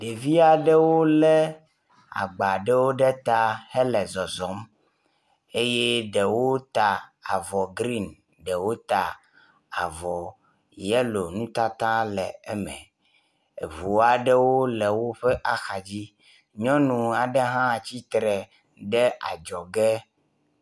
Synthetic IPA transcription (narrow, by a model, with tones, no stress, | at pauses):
ɖe˨vi˦a˨ɖe˦wo˦lɛ˦ | a̰˨ɡ͡ba˨ɖe˦wo˦ɖɛ˦t̪a˦hɛ˦lɛ˨zɔ˨zɔ˨˦m | e˦je˦ɖɛ˨wo˦t̪a˨a̰˨vɔ˨ɡɾi˦˨n | ɖɛ˨wo˦t̪a˨ | a̰˨vɔ˨ | jɛ˦lo˨nũ˦t̪a˦t̪ã˦lɛ˨ɛ˦mɛ̰̃˨ | ḛ˨vu˨a˦ɖe˦wo˦lɛ˨wo˦ɸe˦ʔa˦xa˨d͡ʑi˦ | ɲɔ̃˦nũ˨a˨ɖe˦ɦã˦˨t͡ɕi˦t̪ɾɛ˨ | ɖɛ˦ʔa̰˨d͡ʒɔ˨ɡɛ˦